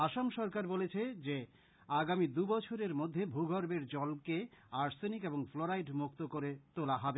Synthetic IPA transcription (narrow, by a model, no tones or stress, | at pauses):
aʃamʃɔɾkaɾbolet͡ɕʰed͡ʑe | aɡamid̪ubɔt͡ɕʰoɾeɾmod̪ʱːebʱuɡʱɔɾbeɾd͡ʑɔlkeaɾsenikeboŋfloɾajɖmukt̪okoɾet̪olaɦɔbe